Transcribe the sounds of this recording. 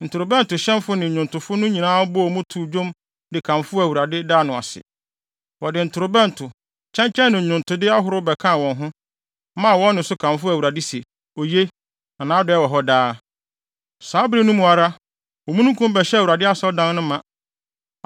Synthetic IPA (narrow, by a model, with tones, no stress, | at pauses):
n̩˨tʰʊ˨ɾʊ˨bɛ̃˦n̩˨tʊ˨ɕɛ̃˦mfʊ˦nɪ̃˨ɲ˨ʊ̃˨ntʰʊ˨fʊ˦nʊ̃˦ɲĩ˨nãː˦bʊ˦˨ɔ˨mũ˦tʰu˨d͡ʑõ˦m | dɪ˨kʰã˨mfʊ˦æ˨wu˨ɾa˨dɪ˦daː˦nʊ̃˨a̰˨sɪ̰˨ | wɔ˨dɪ˨n̩˨tʰʊ˨ɾʊ˨bɛ̃˦n˨tʰʊ˨ | t͡ɕʰɛ̃˦ɲ˦t͡ɕʰɛ̃˦nːɪ̃˨ɲʊ̃˨ntʰʊ˨dɪ˦a˦ɦʊ˨ɾʊ˦bɛ˨kʰã˦˨wɔ̃˨nɦʊ̃˦ | mã˦˨wɔ̃˦nː˦ʊ̃˨sʊ˦kʰã˨mfʊ˦æ˨wu˨ɾa˨dɪ˦se˨ | o˨je˦ | ã˨nãː˨˦dɔ˨ɛ˦wɔ˨ɦɔ˦daː˦ | saː˨˦bɾi˦nũ˦mũ˨a˨ɾa˦ | wɔ˨mũ˦nũ˦kʰũ˦m˦bɛ˨ɕɛ˦˨wu˨ɾa˨dɪ˦a˦sɔ˦dã˦nː˦nʊ̃˦mã˨